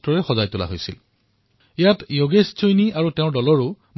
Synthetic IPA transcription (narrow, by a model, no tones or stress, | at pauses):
tɔɹɛxɔzajtula̰ɦojsil | ejatjoɡessojniaɹuteʊ̃ɹdɔlɔɹʊ | m